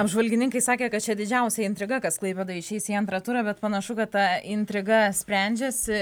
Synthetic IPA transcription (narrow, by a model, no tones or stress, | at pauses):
ɐbʒʋɐlʲɡʲɪnʲɪŋkɐɪsɑːkʲeːkɐt̪̚t͡ʃʲɛd̪ʲɪd͡ʒʲɛʊsʲɛɪnʲt̪ɾʲɪɡɐkɐsklˠɐɪpʲɛd̪ɐɪʃʲɛɪsʲiɐnt̪ɾɐt̪uɾɐbʲɛt̪pɐnɐʃʊkɐt̪t̪ːɐɪnʲt̪ʲɾʲɪɡɐsʲpʲɾʲɛˑnʲd͡ʒʲeːsʲɪ